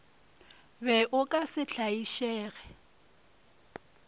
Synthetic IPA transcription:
bɛʔʊkʼasɪɬʰaiʃɛːɣɛ

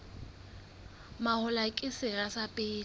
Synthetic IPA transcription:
mahʊlakʼɪsɪɣasapʼɪː

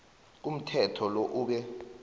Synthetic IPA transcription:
k̬um̩tʰɛtʰɔloʔuːɓɛ

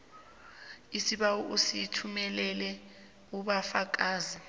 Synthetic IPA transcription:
isiɓawɔʔusitʰumɛlɛlɛ | uɓafak̬aːzi

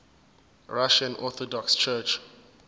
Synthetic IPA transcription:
ɹaʃãnʔɔθɔdɔkst͡ʃʰɛt͡ʃ

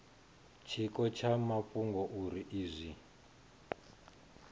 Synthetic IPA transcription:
t͡ʃʰikɔt͡ʃʰamapuŋɡɔʔuɾiʔiːzʷi

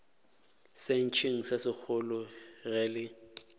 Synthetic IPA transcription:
sen̩t͡ʃʰeŋ̩sasɪk͡xʰʊlʊɣɛlɪ

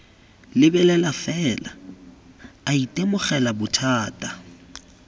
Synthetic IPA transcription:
lɪbɛlɛlafɛːla | aitʼemʊχɛlabʊtʰaːtʼa

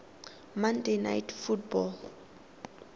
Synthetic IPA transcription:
mandena̰jtfutbɔl

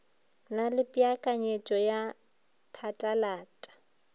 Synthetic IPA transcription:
nalɪpʼiakʼaɲet͡ʃʼɔja | pʰatʼalaːtʼḁ

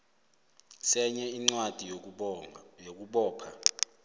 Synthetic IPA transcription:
sɛɲɛiŋ͡ǀwad̥ʱijo | ok̬uɓɔːpʰa

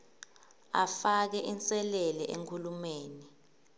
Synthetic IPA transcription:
a̰fak̬ɛʔint͡sʼɛlɛlɛʔḛŋkʰulumeːni

